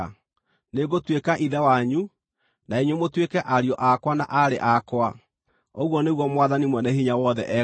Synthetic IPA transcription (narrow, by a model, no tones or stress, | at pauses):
neɣotwekaʔiðɛwaɲu | naeɲwemotwekɛʔaɾiɔʔakwana̰ʔaɾḛʔakwa | oɣwɔneɣwɔmwaðanimwɛnɛɦiɲawɔðɛ̰ʔɛ